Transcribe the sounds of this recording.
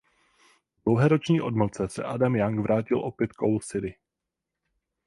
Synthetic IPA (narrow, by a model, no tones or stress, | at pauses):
dlowɦɛːɾo̞t͡ʃɲiːʔo̞dml̩t͡sɛsɛ̰ʔadamjaŋɡvɾʔaːcɪlʔo̞pjɛt̪̚kowlsɪɾɪ